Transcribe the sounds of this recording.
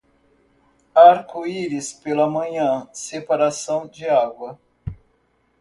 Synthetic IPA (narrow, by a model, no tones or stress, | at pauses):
aɾkoiɾɪspelɐmɐ̃ɲɐ̃sepaɾasɐ̃w̃d͡ʒɪaɡwɐ